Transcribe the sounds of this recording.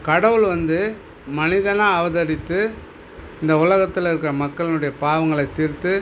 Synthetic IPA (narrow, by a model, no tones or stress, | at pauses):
kɐɽɐʋɯɭʋɐnd̪ɯ | mɐnɪðɐnaːɐʋɐðɐɾɪt̪ːɯ | ɪnd̪ɐʊlɐɣɐt̪ːɪlɪɾɯkːɯɾɐmɐkːɐɭɪnɯɽɐjɐpaːʋɐŋɡɐɭɐɪt̪ːɪɾt̪ːɯ